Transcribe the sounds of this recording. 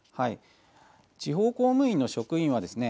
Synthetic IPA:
hai | t͡ɕiɦo̞ːko̞ːmɯ̟ĩnːo̞ɕo̞kɯ̟ĩɰ̃β̞ad̪e̞sɨne̞

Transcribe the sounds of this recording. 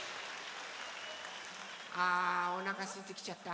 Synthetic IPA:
aonakasit̪ɪkt͡ʃat̪a

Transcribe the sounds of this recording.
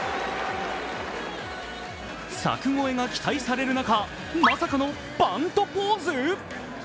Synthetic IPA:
sa̰kɯ̟ŋo̞e̞ɡakʲi̥t̪aisaɾe̞ɾɯ̟naka | masakano̞ | b̥ãnt̪o̞poːzɨ

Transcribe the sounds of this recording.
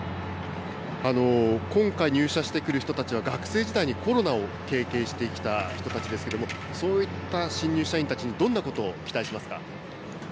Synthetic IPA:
ano̞kõ̞ŋkaiɲ̟ɨːɕaɕi̥t̪e̞kɯ̟ɾɯ̟çi̥t̪o̞t̪at͡ɕiβ̞aɡakɯ̟̥se̞ːd͡ʑid̪aiɲ̟iko̞ɾo̞nao̞ke̞ːke̞ːɕi̥t̪e̞ikʲi̥t̪açi̥t̪o̞t̪at͡ɕid̪e̞sɨ̥ked̪o̞mo̞ | so̞ːit̪ːaɕĩɲ̟ːɨːɕaĩnt̪at͡ɕiɲ̟id̪õ̞nːako̞t̪o̞ːkʲi̥t̪aiɕimasɨ̥ka̰

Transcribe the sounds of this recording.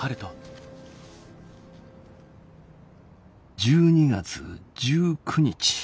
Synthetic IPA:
aɾɯt̪o | d͡ʑɨːɲiɡa̰t͡sɨ̰d͡ʑɨːkʰɯ̟ɲ̟it͡ɕi̥

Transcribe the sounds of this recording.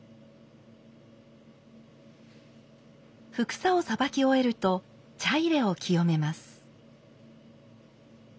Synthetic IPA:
ɸɯ̟kɯ̟̥sao̞sabakʲio̞e̞ɾɯ̟t̪o̞ | t͡ɕaiɾe̞o̞kʲʰijo̞me̞masɨ̥

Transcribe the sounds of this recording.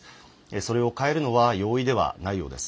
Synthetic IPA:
eso̞ɾe̞o̞kae̞ɾɯ̟no̞βajo̞ːid̪e̞βa̰naijo̞̰ːd̪e̞sɨ̥

